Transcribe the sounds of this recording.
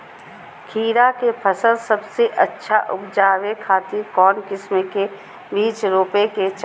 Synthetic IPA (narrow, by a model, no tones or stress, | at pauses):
kʰiːɾakepʰəsəlsɐbseʔətːʃʰaʔʊpd͡ʒaːwekʰaːt̪ɪɾkɔːnkɪsmeke | biːt͡ʃɾoːpeket͡ʃ